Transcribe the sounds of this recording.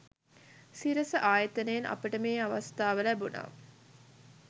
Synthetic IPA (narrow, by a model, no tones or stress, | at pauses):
siɾɐsəʔaːjət̪ənejːnʔɐ̰pəʈəmeːaʋɐst̪aːʋəlæbuna̰ː